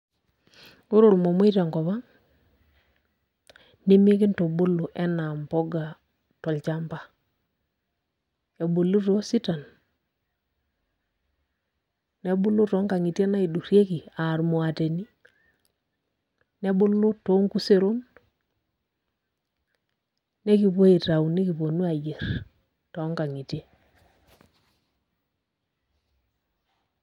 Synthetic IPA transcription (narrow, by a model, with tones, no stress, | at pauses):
ʊ˦ɾo˨ɾmɔ˨mo˦i˦ta˨ŋkɔ˨βa˦ŋ | ne˦mi˦e˦kɪ˦nto˨bʊ˦lo˨ʔɛ˦na˨mpɔ˦ɡa˨ | tɔ˨lt͡ʃa˦mpa˦ | e˨bo˨lu˦to˦si˦ta˨n | nɛ˨˦bʊ˦lu˦tɔ˦ŋka˨ŋi˨tje˦na˦i˨du˨ɾje˦ki˨a˨ɾmo˨a˨te˨ni˦ | nɛ˦bʊ˦lʊ˦to˦ŋku˦se˦ɾo˦n | ne˦ki˨po˦i˨ta˨u˨ni˦ki˨po˨nu˦a˨je˨ɾ | tɔ˨˦ŋka˨ŋi˨te˦